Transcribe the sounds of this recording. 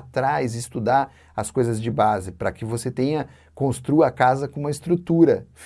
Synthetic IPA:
t̪ɾajzɪst̪ud̪aɾ | ɐskojzɐzd͡ʒɪbazɪpɾɐkɪvoset̪ẽɲɐ | kõst̪ɾuɐkazɐkõũmɐɪst̪ɾut̪uɾɐf

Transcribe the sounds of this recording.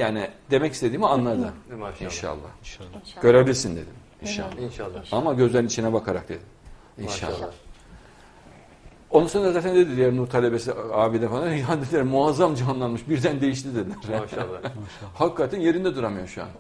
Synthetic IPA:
jaːnid̪̥e̞mɛcist̪e̞d̪iːmianlˠad̪ɯinʃa̰lˠːa̰hɟ̥ø̞ɾebʲilʲiɾsind̪e̞d̪im | inʃa̰lˠːaamaɟø̞zlʲeɾinit͡ʃʰinɛbakʰaɾa̰k̚d̪e̞d̪im | inʃa̰lˠːaa | o̞nusond̪azaːt̪ʰænd̪e̞d̪id̪ijɛɾnut̪ʰalʲe̞be̞siaːvilʲɛfalˠaɾad̪ed̪ilʲæɾmuazːamd͡ʒiɦanlˠanmɯʃbiɾd̪ænd̪e̞jiʃ̬lʲid̪elʲɾ̥ | hakːat̪ʰænje̞ɾind̪ɛd̪uɾamɯjoɾʃua̰n

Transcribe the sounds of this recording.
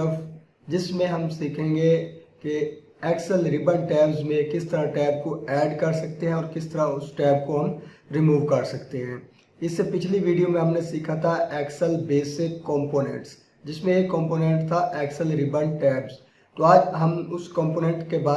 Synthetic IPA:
əf | d͡ʒɪsmẽɦɐmsiːkʰẽːŋɡeki | ɛːksəlɾɪbəɳʈɛːbzmẽkɪst̪əɾãʈɛːb̚koɛːɖkɐɾsɐkt̪eɦɛ̃ɔːɾkɪst̪ɐɾaʊsʈɛːb̚koɦɐm | ɾɪmuːʋkɐɾsɐkt̪eɦɛ̃ː | ɪsːepɪt͡ʃʰliʋiːɖijomẽɦɐmnesiːkʰat̪ʰaʔɛːksəlbeːsɪkːɔ̃ːmpoːnḛ̃ːɳʈs | d͡ʒɪsmẽjekɔ̃ːmpoːnɛ̃ɳʈt̪ʰaʔɛːksəlɾɪbəɳʈɛːbz | t̪oːaːd͡ʒɦɐmʊskɔ̃ːmpoːnɛ̃ːɳʈkebaː

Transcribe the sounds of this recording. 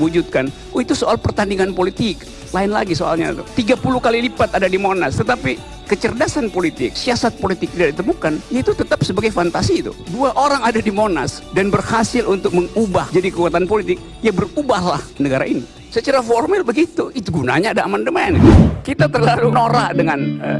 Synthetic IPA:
wud͡ʒut̪̚kan | it̪usoalpərt̪andiŋanpolit̪ɪk | laɪnla̰ɡisoa̰lɲa̰t̪ut̪iɡapulukalilipat̪adadimonast̪ət̪api | kət͡ʃərdasanpolit̪ɪ̰k̚siasat̪̚polit̪ɪk̚t̪idaʔdit̪əmukanjait̪ut̪ət̪ap̚səbaɡajfant̪asiːt̪ṵduaʔoɾaŋadadimona̰sdanbərhasɪlʔunt̪ʊk̚məŋubahd͡ʒadikəkuat̪anpolit̪ɪk̚ | jabərubahlahinəɡaɾa̰ʔini | sət͡ʃaɾaformɪlbəɡit̪uit̪uɡuna̰ɲaːdaːmandəmɛnkit̪at̪ərlalunoɾahdəŋanə

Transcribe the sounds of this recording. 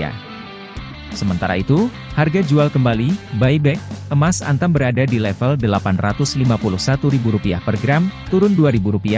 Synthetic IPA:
a̰ | səmənt̪aɾa̰it̪u | harɡad͡ʒualkəmbalibaibɛk̚ʔəmasa̰nt̪ambəɾadadilɛfəldəlapanrat̪ʊslimapulʊhsat̪uɾibuɾupia̰hpərɡɾamt̪uɾʊnduaɾibuɾupia

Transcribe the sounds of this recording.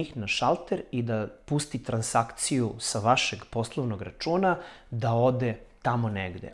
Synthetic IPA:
ixnaʃalˠt̪eɾid̪apust̪it̪ɾansakt̪sijusaʋaʃeɡpo̞slˠoʋnoɡɾat͡ʃuːnad̪ao̞d̪et̪amoneɡd̪ḛ

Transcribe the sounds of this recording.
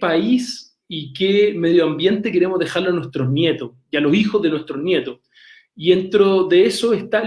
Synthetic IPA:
pais | ikemeðjoambje̞nt̪ekeɾemozðe̞xaɾloanwe̞ht̪ɾoznjet̪o | ialosixozðe̞nweht̪ɾonje̞t̪os | ie̞nt̪ɾoðeesoest̪a

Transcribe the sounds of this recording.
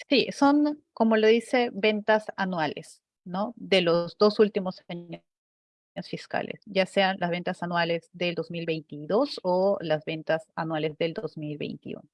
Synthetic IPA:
siso̞nko̞mo̞loðise̞βe̞nt̪asanwalʔe̞̰s | no̞ðe̞lo̞zðo̞sult̪imo̞saɲ | osfiska̰lḛsɟ͡ʝase̞anlazβ̞e̞nt̪asanwale̞zðe̞ld̪o̞zmilβe̞jnt̪iðo̞solazβe̞nt̪asanwale̞zðe̞ld̪o̞zmilβe̞̰jnt̪ḭṵno

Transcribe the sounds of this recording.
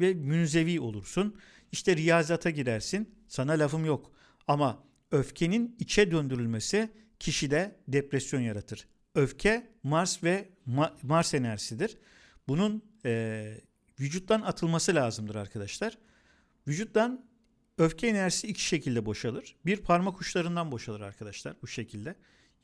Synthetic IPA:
vɛmynze̞viːo̞̰lˠuɾsun | iʃt̪ʰɛɾijaːzat̪ʰaɟiɾæɾsin | sanalʲavɯmjo̞k | ama | ø̞fcʰe̞ninit͡ʃʰɛd̪ø̞nd̪yɾylʲmesi | cʰiʃid̪ɛd̪epɾɛsjo̞njaɾat̪ʰɯɾ̥ | ø̞fcʰɛmaɾsvɛ | maɾsenæɾsid̪iɾ̥ | bunun | ɛ | vyd͡ʒut̪̚d̪anat̪ʰɯlˠmasɯlʲaːzɯmd̪ɯɾaɾkʰad̪aʃlˠaɾ̥ | vyd͡ʒut̪̚lan | øfcʰɛenæɾsiːcʰi̥ʃe̞cʰilʲd̪ɛbo̞ʃalˠɯɾ̥biɾpʰaɾmakʰuʃlˠaɾɯnd̪anbo̞ʃalˠɯɾaɾkʰad̪aʃlˠa̰ɾbuʃe̞cʰilʲd̪ɛ

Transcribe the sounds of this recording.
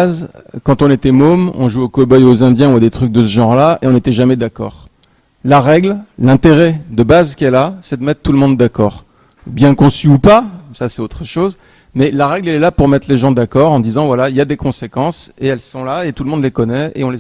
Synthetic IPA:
zkɑ̃t̪ɔ̃net̪ɛmomɔ̰̃ʒuɛokɔbɔjozɛ̃d̪jɛ̃uad̪et̪χyk̚d̪əsəʒɑ̃ʁlaeɔ̃net̪ɛʒamɛd̪akɔ̰ːʁ | laʁɛɡllɛ̃t̪eʁɛd̪əbazkʲɛlasɛd̪əmɛt̪χt̪uləmɔ̃d̪ːakɔːʁ | bjɛ̃kɔ̃syupasasɛt̪ot̪χəʃoz | mɛlaʁɛɡlɛlɛlapuʁmɛt̪χleʒɑ̃d̪akɔʁɑ̃d̪izɑ̃vwalailjad̪ekɔ̃sekɑ̃seɛlsɔ̃laet̪ulmɔ̃d̪lekɔnɛḛɔ̃le

